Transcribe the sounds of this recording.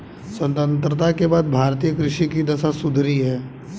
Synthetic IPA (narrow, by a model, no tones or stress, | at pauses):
sə̃nt̪ə̃nt̪ɾət̪akebaːd̪̚bʱaːɾt̪ijəkɾɪʃikid̪ɐsasʊd̪ʱɾiɦɛː